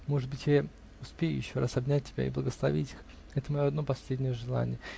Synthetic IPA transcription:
mo̞ʐɨd̪̚bɨtʲja | ʊspʲejʊ̰jɪɕːo̞ɾasɐbnʲæt̚ʲtʲːɪbʲa̰iblˠəɡəslˠɐvʲitʲix | ɛt̪əmɐjoɐd̪no̞pɐsʲlʲedʲnʲɪjəʐɨlˠa̰nʲɪ̰jə

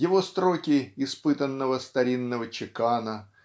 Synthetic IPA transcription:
jɪvo̞st̪ɾo̞kʲɪɪspɨt̪ənːəvəst̪ɐɾʲinːəvət͡ɕɪkanə

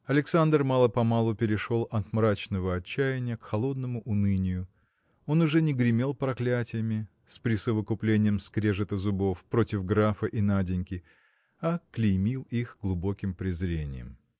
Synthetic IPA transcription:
ɐlʲɪksand̪rmalˠəpɐmalˠʊpʲɪɾʲɪʂo̞lˠɐt̪mɾat͡ɕnəvəɐt͡ɕːæjɪnʲɪjəkxɐlˠo̞d̪nəmʊʔʊnɨnʲɪjʊ | o̞nʊʐɛnʲɪɡɾʲɪmʲe̞lˠpɾɐklʲætʲɪjəmʲɪ | spɾʲɪsəvəkʊplʲenʲɪjəmskɾʲeʐɨt̪əzʊbo̞fpɾo̞tʲɪvɡɾafəʔinadʲɪnʲkʲɪ | ɐklʲɪjmʲilˠixɡlˠʊbo̞kʲɪmpɾʲɪzɾʲenʲɪ̰jə̰m

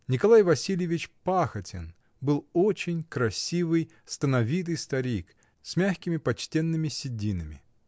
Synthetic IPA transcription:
nʲɪkɐlˠajvɐsʲilʲjɪvʲɪt͡ɕpaxətʲɪ̰n | bɨlˠot͡ɕɪnʲkɾɐsʲivɨj | st̪ənɐvʲit̪̬ɨjst̪ɐɾʲik | sʲmʲaxʲkʲɪmʲɪpɐt͡ɕtʲenːɨmʲɪsʲɪdʲinɨmʲɪ̰

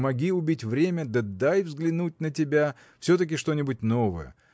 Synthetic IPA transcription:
mɐɡʲiʊbʲitʲvɾʲemʲəd̪əd̪ajvzɡlʲɪnut̚ʲnətʲɪbʲa | fsʲot̪ək̬ʲɪʂt̪o̞nʲɪbʊt̚ʲnovəjə̰

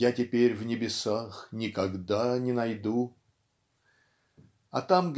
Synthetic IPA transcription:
jatʲɪpʲeɾʲvnʲɪbʲɪsaxnʲɪkɐɡd̪anʲɪnɐjd̪u | ɐt̪amɡ

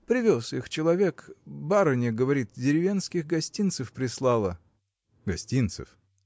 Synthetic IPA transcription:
pɾʲɪvʲosɨxt͡ɕɪlˠɐvʲekbaɾənʲɪɡəvɐɾʲit̪̚dʲɪɾʲɪvʲe̞nskʲɪxɡɐsʲtʲint̪sɨfpɾʲɪslˠɑlˠə | ɡɐsʲtʲint̪sɨ̰f

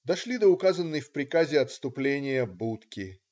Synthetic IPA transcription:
d̪ɐʂlʲid̪əʊkazənːɨjfpɾʲɪkazʲɪɐt̪st̪ʊplʲenʲɪjəbut̪kʲɪ

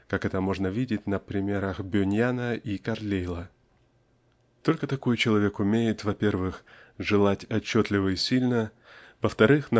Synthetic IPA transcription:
kakɛt̪əmo̞ʐnəvʲidʲɪt̚ʲnəpɾʲɪmʲe̞ɾəxbʲʊnʲjanəʔikɐrlʲejlˠə | t̪o̞lʲkət̪ɐko̞jt͡ɕɪlˠɐvʲe̞kʊmʲejɪt̪vɐpʲe̞rvɨxʐɨlˠatʲɐt͡ɕːot̪lʲɪvəɪsʲilʲnə | vəft̪ɐɾɨxnɐ

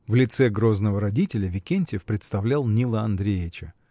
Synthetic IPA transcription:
vlʲɪt̪sɛɡɾo̞znəvəɾɐdʲitʲɪlʲəvʲɪkʲenʲtʲɪɪfpɾʲɪt̪st̪ɐvlʲælˠnʲilˠəɐnd̪ɾʲejɪt͡ɕə

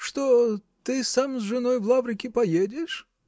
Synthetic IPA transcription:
ʂt̪ot̪ɨsamzʐɨnojvlˠavɾʲɪkʲɪpɐjedʲɪʂ

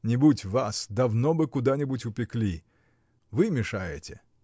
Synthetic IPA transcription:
nʲɪbutʲvasd̪ɐvnobɨkʊd̪anʲɪbutʲʊpʲɪklʲi | vɨmʲɪʂajɪ̰tʲɪ

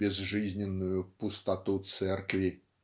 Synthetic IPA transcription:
bʲɛzʐɨzʲnʲɪnːujupʊst̪at̪ut̪sɛrkvʲi

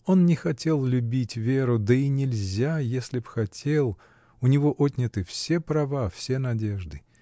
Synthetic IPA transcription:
o̞nnʲɪxɐtʲe̞lˠlʲʊbʲitʲvʲe̞ɾʊd̪əinʲɪlʲzʲajesʲlʲɪpxɐtʲelˠ | ʊnʲɪvo̞ʔotʲnʲɪt̪ɨfsʲe̞pɾɐvafsʲe̞nɐdʲe̞ʐd̪ɨ

